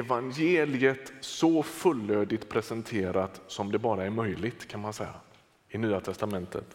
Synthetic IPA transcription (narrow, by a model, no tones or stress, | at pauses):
ɛvanjeːlɪət̪sɔfɵlːøːd̪ɪt̪pʰɾɛsɛnt̪ʰeːɾat̪sɔmd̪ɛbɑːɾaæɾmœjlɪt̪kʰanmansɛjːa̰ | ɪnyːat̪ʰɛst̪amɛnt̪ʰə̰t̪